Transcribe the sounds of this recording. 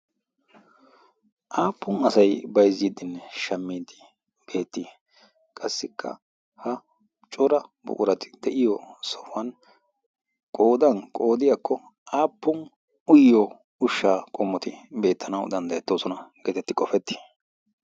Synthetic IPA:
ʔaːpːʊnɐsɐjbɐjzːiːd̪ɪnːɛʃɐmːiːd̪ɪ | b̥e̞ːt̪ːi | kʼɐsːɪkːɐ̰ | hɐ | t͡ʃʼʊɾɐbʊ̰kʼʊɾɐt̪ɪ̥d̪̥ɛʔɪjɔsɔfɐn | kʼo̞ːd̪ɐnkʼo̞ːd̪ɪjakʰːɔ | ʔaːpːʊn | ʊjːɔ | ʊʃːaːkʼɔmːɔt̪ɪbe̞ːt̪ʰːɐnɐwd̪ɐnd̪ɐɛt̪ːoːsɔnɐɡ̥eːt̪ɛt̪ːɪkʼɔfɛt̪ːi̥

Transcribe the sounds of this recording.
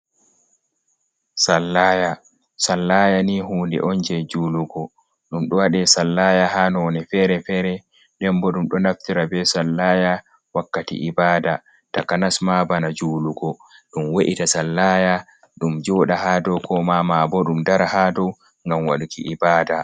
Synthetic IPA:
salːaja | salːaːjaniɦuːndɛ̰ʔɔnd͡ʒɛd͡ʒuːluɡɔ | ɗumɗɔwaɗɛsalːajahanɔnɛfɛɾɛfɛɾɛ | ɗɛmbɔɗumɗɔnaftiɾabɛsalːaja | wakːatḭʔibaːda | takanasmabanad͡ʒuːluɡɔ | ɗumweʔitasalːaja | ɗumd͡ʒɔːɗaɦadɔwkʰɔmamabɔɗumdaɾahadɔw | ŋɡamwa̰ɗukḭʔibaːda

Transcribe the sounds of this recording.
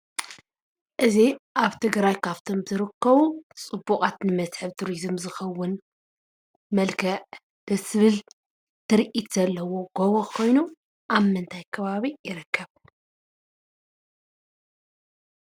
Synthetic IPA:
ʔɨziʔaβt̪ʰɨɡɾajkʰaβt̪ʰo̞mz̥ɨɾɨkʰːɐβut͡sʼɨbukʼat̪nɨmɐsħɨβt̪ʰuɾizmzɨxɐwːʊn | mɐlkʰɐʔ | b̥ɐsɨβɨl | t̪ʰɨɾiʔit̪z̥ɐlːɐwo̞ɡ̥oβokʰo̞jnu | ʔammːɨnt̪ʰajkʰɐβaβijɪɾɨkʰːɐβ

